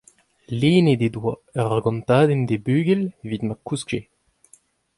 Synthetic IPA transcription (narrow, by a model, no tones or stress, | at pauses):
leːned̪ed̪waɛʁaɡɔ̃nt̪aːd̪end̪ebyːɡɛlvid̪makusɡʒe